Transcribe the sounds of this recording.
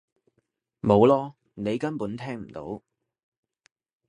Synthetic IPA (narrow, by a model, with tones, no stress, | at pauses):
mo˨˧wlɔː˥ | ne˨˧jkɐ˥npuː˨˥nt̪ʰɛː˥ŋm̩˨˩t̪o̰˨˥w